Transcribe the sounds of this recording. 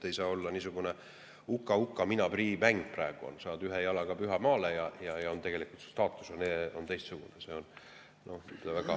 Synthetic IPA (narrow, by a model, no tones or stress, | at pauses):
t̪ːe̞jsɑːo̞lːɑniːsuɡ̥une | ukːɑukːˑɑminɑb̥riːmæŋɡ̥̚præeɡ̥uo̰nsɑːnd̪yɦejɑlɑɡɑpyɦɑmɑːlejɑjɑjɑont̪e̞ɡ̥e̞likult̪sst̪ɑːt̪ːˑu̥sɑneont̪e̞jst̪suɡ̥unese̞ːo̞n | no̞hny̥væɡ̥ɑ